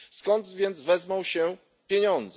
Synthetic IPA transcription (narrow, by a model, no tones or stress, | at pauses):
skɔnd̪vʲjɛnd̪zvɛzmawɕɛ | pʲjeɲɔ̃nd̪z